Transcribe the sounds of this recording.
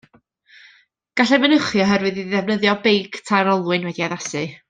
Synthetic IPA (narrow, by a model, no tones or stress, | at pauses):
ɡ̥aɬɛvənəχjɔɦɛɾwɨðiðɛvnəðjɔbejkʰtʰajɾɔlˠwʊɨnwɛdiaðasɨ